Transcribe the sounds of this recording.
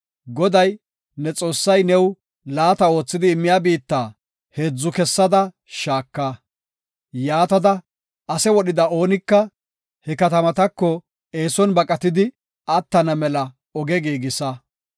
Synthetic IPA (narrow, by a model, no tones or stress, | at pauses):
ɡɔd̪ɐj | nɛt͡sʼo̞ːsːɐjnɛw | laːt̪ɐo̞ːt͡sːɪd̪ɪːmːɪjaːbiːt̪ːaː | heːd͡zːʊkɛsːɐd̪ɐ | ʃaːkːa | jaːt̪ɐd̪ɐ | ɐsɛwɔɗɪd̪ɐo̞ːnɪkːɐ | hɛkɐt̪ɐmɐt̪ɐkːɔ | e̞ːsɔnbɐkʼɐt̪ɪd̪ɪ | ɐt̪ːɐnɐmɛlɐ | ɔɡɛɡiːɡɪsɐ